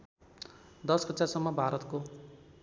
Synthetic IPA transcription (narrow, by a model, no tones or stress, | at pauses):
d̪ʌsɡʌt͡sasʌmːʌbʱaɾʌt̪ko